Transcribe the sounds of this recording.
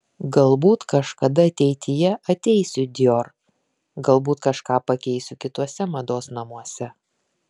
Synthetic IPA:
ɡɐlˠbuːt̪kɐʃkɐd̪ɐɐt̪ʲɛɪt̪ʲʰɪjɛʔɐt̪ʲɛɪsʲʊd̪ʲjoːɾ | ɡɐlˠbuːt̪kɐʃkɑːpɐkʲɛɪsʲʊkʲɪt̪uɔsʲɛmɐd̪oːsnɐmuɔsʲɛ

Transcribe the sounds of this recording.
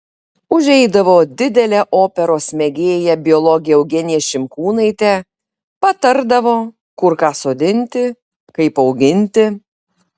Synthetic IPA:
ʊʒʲɛɪd̪ɐʋoːd̪ʲɪd̪ʲɛlʲɛːʔoːpʲɛɾoːsmʲɛɡʲeːjɛbʲɪɔlˠɔɡʲɪjɛɛʊɡʲɛnʲɪjɛːʃʲɪmkuːnɐɪt̪ʲɛ | pɐt̪ɐɾd̪ɐʋoː | kʊɾkɑːsoːd̪ʲɪnʲt̪ʲɪ | kɐɪpɒʊɡʲɪnʲt̪ʲɪ

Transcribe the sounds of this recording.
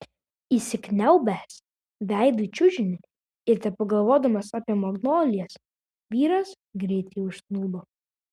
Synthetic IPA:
iːsʲɪknʲɛʊbʲæːs | ʋʲæˑɪd̪ʊit͡ʃʲʊʒʲɪnʲɪ | ɪɾt̪ʲɛp̚pɐɡɐlˠʋoːd̪ɐmɐsɑːpʲiɛmoɡnoːlʲɪjɛs | ʋʲiːɾɐs | ɡɾʲɛɪt̪ʲɛɪʊʃsnuːlˠo

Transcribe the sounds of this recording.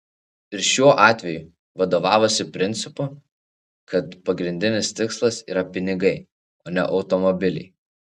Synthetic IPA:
ɪɾʃʲuɔʔɑːt̪ʲʋʲɛju | ʋɐd̪oːʋɑːʋoːsʲɪpʲɾʲɪnʲt̪sʲɪpʊ | kʰɐt̪pɐɡɾʲɪnʲd̪ʲɪnʲɪst̪ʲɪkslˠɐsiːɾɐpʲɪnʲɪɡɐɪ | oːnʲɛ̰ʔɒʊt̪ɔmɔbʲɪlʲɛ̰ɪ

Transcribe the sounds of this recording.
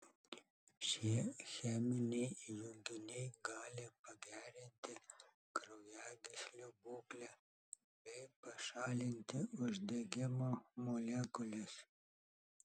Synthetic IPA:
ʃʲiɛxʲæːmʲɪnʲɛɪjʊŋɡ̪ʲɪnʲɛɪɡɑːlʲɪpɐɡʲæːɾʲɪnʲt̪ʲɪ | kɾɐʊjæːɡʲɪsʲlʲobuːklʲæ | bʲɛɪpɐʃɑːlʲɪnʲt̪ʲɪʔʊʒʲd̪ʲeɡʲɪmoːmolʲeːkʊlʲɪs

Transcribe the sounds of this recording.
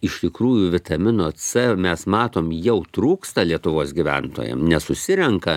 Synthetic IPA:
ɪʃʲt̪ʲɪkɾuːjʊʋʲɪt̪ɐmʲɪnoːt͡sɛmʲɛsmɑːt̪oːmjɛʊt̪ɾuːkst̪ɐlʲiɛt̪ʊʋoːsɡʲiʋʲæ̰nt̪o̰ːjɛ̰mnʲɛsʊsʲɪɾʲɛŋkɐ

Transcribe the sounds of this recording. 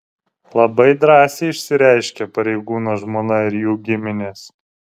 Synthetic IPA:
lˠɐbɐɪd̪ɾɑːsʲeɪɪʃʲsʲɪɾʲæˑɪʃʲkʲɛpɐɾʲɛɪɡuːnoːʒmoːnɐɪɾjuːɡʲɪmʲɪnʲeːs

